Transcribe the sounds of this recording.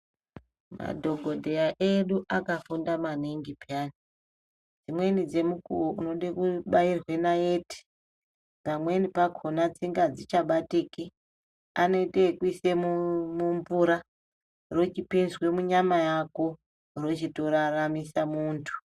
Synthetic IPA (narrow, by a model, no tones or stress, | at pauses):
ma̰dʱo̞ɡʱo̞dʱe̞aʔeɗuʔakafundamaniŋɡipani | d͡zimwe̞nid͡ze̞mukṵwoʔuno̞ɗekuɓairwe̞naeːti̥ | pamwe̞nipakʰonat͡siŋɡad͡zit͡ʃaɓatiki | ano̞itekuisemumumvuɾa | ro̞t͡ʃipinzwe̞muɲamajako̞ | ro̞t͡ʃito̞ɾaramisamuːntʰu̥